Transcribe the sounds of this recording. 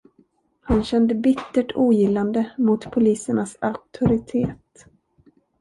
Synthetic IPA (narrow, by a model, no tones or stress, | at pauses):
hanɕɛnd̪əbɪt̪ːəʈʰuːjɪlːand̪əmʊt̪pʰʊliːsəɳasak̚t̪ʰʊɾɪt̪ʰeːt̪